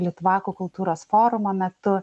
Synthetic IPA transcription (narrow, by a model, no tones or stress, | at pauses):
lʲɪt̪ʊʋɑːkuːkʊlˠt̪uːɾoːsfoːɾʊmɐmʲɛt̪ʊ